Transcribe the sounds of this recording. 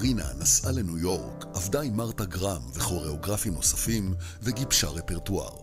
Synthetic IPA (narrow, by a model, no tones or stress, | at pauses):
ʁina̰nasʔalenujo̞ʁkavdaimaʁtaɡʁamveχo̞ʁeo̞ɡʁafimno̞safimveɡibʃaʁe̞peʁtua̰ʁ